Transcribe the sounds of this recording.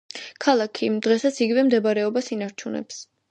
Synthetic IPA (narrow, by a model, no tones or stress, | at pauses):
kʰalˠakʰid̪ʁɛsat̪sʰiɡivɛmd̪ɛbaɾɛɔbasinaɾt͡ʃʰunɛ̰ps